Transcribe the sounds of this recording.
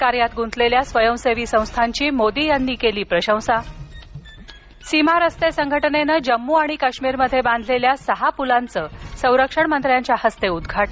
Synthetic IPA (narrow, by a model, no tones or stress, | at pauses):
kaɾjat̪ɡʱunt͡s̪ʰleljasʋəjəwseʋiːsə̃w̃st̪ʰaɲt͡ɕiːmod̪iːjanːiːkeliːpɾəɕə̃w̃sa | simaɾəst̪esəŋɡʱəʈnenəd͡ʑəmːuːaɽ̃ikaɕmiːɾməd̪ʱːjebãnd̪ʱleljasəɦapulant͡səːsə̃w̃ɾəkʂəɳmənt̪ɾjaɲt͡ɕjahəst̪eud̪ɡʱaʈ